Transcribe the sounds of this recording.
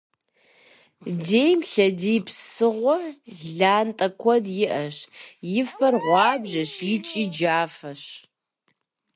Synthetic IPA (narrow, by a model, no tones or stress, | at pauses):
deːjmɬɐdiːpsɨʁʷɔɮaːntʼɐkʷʰɔdjɪʔɐɕjɪfɐrʁʷɑːbʑɐɕjɪt͡ʃʼiːd͡ʒaːfɐɕ